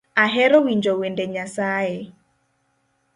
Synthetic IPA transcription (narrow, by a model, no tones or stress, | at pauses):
aɦɛɾɔwiɲd͡ʒɔwendɛɲasaje